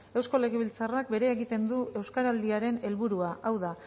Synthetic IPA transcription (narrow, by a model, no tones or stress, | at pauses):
e̞wsko̞le̞ɣ̞e̞βilt͡sarak̚be̞ɾe̞ːɣit̪e̞nd̪ue̞wskaɾald̪iaɾe̞ne̞lβuɾuaʔawða